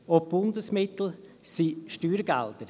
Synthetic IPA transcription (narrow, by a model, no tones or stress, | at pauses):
ɔb̥ʊnd̪əsmɪt̪l̩ | siːʃtyːɾɡæ̰ld̪əɾ